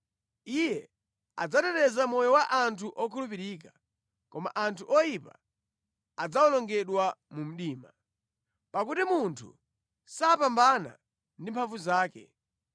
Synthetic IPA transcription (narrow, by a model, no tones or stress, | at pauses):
ijɛ | ad͡zatɛɾɛzamɔjɔwaʔantʰuʔɔkʰulup̬iɾiːka | kɔma̰ʔantʰuʔɔjipa̰ | ad͡zaɔnɔŋɡɛɗwamum̩ɗiːma | pakutimuntʰṵ | saːpambana̰ | ndimpʰaɱvuzaːkɛ̰